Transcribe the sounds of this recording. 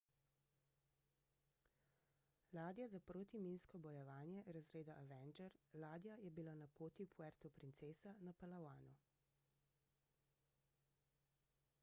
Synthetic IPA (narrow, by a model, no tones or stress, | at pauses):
laːd̪jazapɾoːt̪imiːnskɔbɔjɛʋaːnjɛʔɾazɾeːd̪aʔaʋɛnd͡ʒɛɾlaːd̪jajɛbilanapoːt̪ipʰuɛɾt̪ɔpɾint̪seːsanapalawaːnu